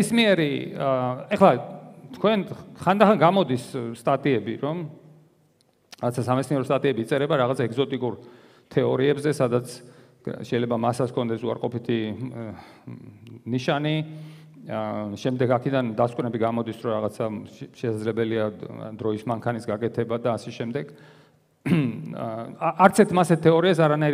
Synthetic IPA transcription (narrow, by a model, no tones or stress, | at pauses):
ismiɛɾi | ɛχlˠat̪ʰkʰwɛnχand̪aχaŋɡamɔd̪issːt̪ʼat̪ʼiɛbiɾɔm | ɾaʁat̪sʰasamɛt̪sniɛɾɔst̪ʼat̪ʼiɛbiːt̪sʼɛɾɛbaɾaʁat̪sʰaɛɡzɔt̪ʼikʼuɾ | t̪ʰɛɔɾiɛbzɛsad̪at̪sʰ | ʃɛjlɛbamasaskʰɔnd̪ɛsua̰ɾqʼɔpit̪ʰi | niʃani | ʃɛmd̪ɛɡakʰɛd̪and̪askʼnɛbiɡamɔd̪isɾɔɾaʁat̪sʰaʃɛsadzlɛbɛliad̪ɾɔismaŋkʰanisɡakʼɛt̪ʰɛbad̪aːsɛʃɛmd̪ɛɡ | aʔaɾt̪sʰɛɾt̪ʰmasɛt̪t̪ʰːɛɔɾiasaɾanaiɾ